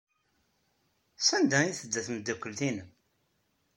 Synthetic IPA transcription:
sænd̪æiθəd̪ːæθəmd̪ːækʷːəlθinəm

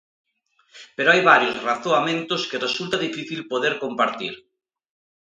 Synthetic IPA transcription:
peɾoajβaɾjozraθoamẽnt̪oskeresult̪aðifiθilpoðeɾkompaɾt̪ḭɾ

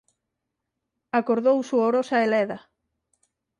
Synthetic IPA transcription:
akoɾðowsuoɾosaelɛðɐ

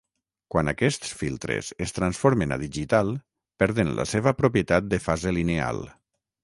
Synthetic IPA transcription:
kwana̰kɛst̪sfilˠt̪ɾḛsest̪ɾansfoɾmena̰ðiʒit̪alˠ | pɛɾðenlə̰seβ̞əpɾopjet̪at̪̚d̪əfazelinea̰lˠ

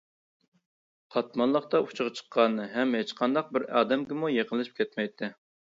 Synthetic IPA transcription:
qʰɑt̪mɑnlˠəχt̪ɑut͡ʃʰɨʁɑt͡ʃʰə̥qʰːɑnɨɦɛmhet͡ʃqʰɑnd̪ɑq̚bɪɾɑ̰ːd̪ɛmɡʲɪmujeqəlˠɨʃɨpkʲɛt̪mɛjt̪ʰːɪ

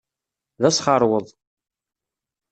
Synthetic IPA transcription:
ðæsχɑɾˤwəðˤ

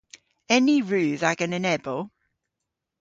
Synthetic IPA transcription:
ɛniɹʉːðaɡənənɛbəlˠ

